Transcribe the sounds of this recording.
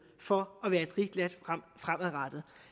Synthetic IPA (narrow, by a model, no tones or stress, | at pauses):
fɒ̽ɒʋæːɐe̝d̥ʁid̥læd̥fʁamæðˠʁɑd̥ð̩ˠ